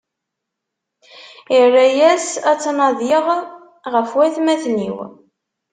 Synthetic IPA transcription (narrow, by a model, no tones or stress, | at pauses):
irːæjæsæt͡sːnɑðjiʁ | ʁəfwæθmæθnḭw